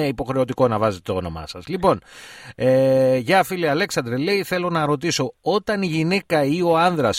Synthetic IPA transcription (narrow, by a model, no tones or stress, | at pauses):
eipo̞xɾe̞o̞t̪iko̞nɐvɐze̞t̪et̪ono̞̰mɐ̰sɐzlipo̞neʝɐfiliɐle̞ksɐnd̪ɾele̞iθe̞lo̞nɐɾo̞t̪iso̞o̞t̪ɐniʝinekɐio̞ɐnðɾɐs